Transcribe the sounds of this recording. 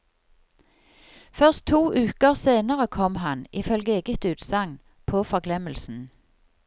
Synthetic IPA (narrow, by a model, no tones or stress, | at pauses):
fœʁst̪ʰuːʔʉːkəʁseːnəʁəkʰɔmhɑnʔɪfœlɡəeːɡət̪ʉːt̪sɑŋ | pʰoːfɔʁɡlɛməlsn̩